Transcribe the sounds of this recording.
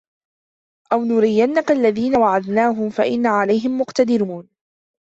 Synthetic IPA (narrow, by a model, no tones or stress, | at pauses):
ʔawnʊɾɪjːanːakalːaðiːnawaʕad̪naːɦʊmfaʔɪnːaʕalajɦɪmːʊqt̪ad̪ɪɾuːn